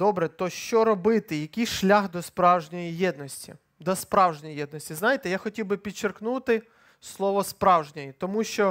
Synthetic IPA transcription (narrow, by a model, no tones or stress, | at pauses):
d̪ɔbɾɛt̪ɔʃt͡ʃɔɾɔbɪt̪ɪjɐkʲɪjʃlʲaxd̪ɔspɾɑwʒnʲɔjijɛd̪nɔsʲtʲḭ | d̪ɔspɾɑwʒnʲɔjijɛd̪nɔsʲtʲiznɑjɪt̪ɛjaxɔtʲiwbɪpʲid̪̚t͡ʃerknut̪ɪ | slˠɔʋɔspɾɑwʒnʲɔjit̪ɔmuʃt͡ʃɔ